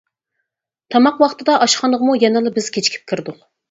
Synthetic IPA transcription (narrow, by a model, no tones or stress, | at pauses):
t̪ʰɑmɑqwɑχt̪ʰɨd̪ɑʔɑʃχʰɑnəʁmujɛnɨlˠɨbɪz̥kʲʰet͡ʃʰi̥kʲʰi̥p̚kʲʰiɾd̪ʊq